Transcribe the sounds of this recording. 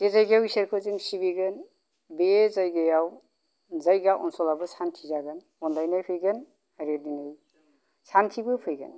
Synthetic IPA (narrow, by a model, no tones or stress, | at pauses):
dezajɡajawiseɾkʰɯzɯŋsibiɡɯn | bezajɡajaw | zajɡaʔɔnsɔlabɯsantʰizaɡɯn | ɔndajnajpʰɯjɡɯn | aɾeninɯj | santʰibɯpʰɯjɡɯ̰n